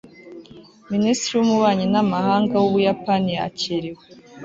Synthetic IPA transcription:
ministɾiwumuβaːɲinamahaːŋɡawuβujapania̰ciɾiwe

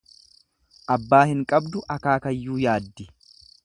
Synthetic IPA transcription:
ʔɐbːaːhɪŋkʼɐbd̪ʊʔɐkaːkɐjːuːjaːd̪ːɪ

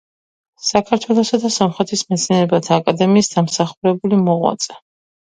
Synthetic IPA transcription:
sakʰaɾt̪ʰwɛlˠɔsad̪asɔmχɛt̪ʰismɛt̪sʰniɛɾɛbat̪ʰaːkʼad̪ɛmiːsd̪amsaχuɾɛbulimɔʁwa̰t̪sʼɛ

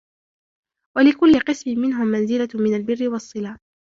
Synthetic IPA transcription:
walɪkʊlːɪqɨsmɪmɪnɦʊmːanzɪlamɪnalbɪrːɪwɑsˤːɨlaː

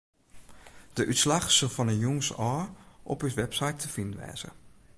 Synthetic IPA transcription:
d̥əʔytslaxsolˠfɔnəjuŋsɔːʔɔ̰pysʋɛpsajtʰəfindʋɛ̰ːz̥ə̰

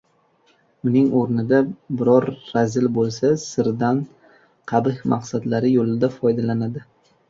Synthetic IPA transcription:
ʊnɪŋoɾnɪd̪abɪɾɒɾːazɪlbolˠsasɪɾd̪an | qʰɑbɪhmʔɑqsad̪laɾɪjolɪd̪afɒjd̪alanad̪ɪ

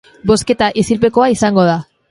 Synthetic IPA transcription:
bo̞ske̞t̪aʔisilpe̞ko̞aisaŋɡo̞ð̞a

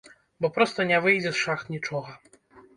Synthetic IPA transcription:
bɔpɾɔst̪ɐnʲɛvɨjd͡zʲɛsʂaxt̪nʲit͡ʂɔɣɐ

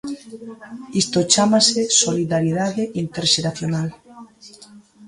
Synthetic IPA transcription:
ist̪ot͡ʃamasesoliðaɾjiðaðeʔint̪eɾʃeɾaθjonal

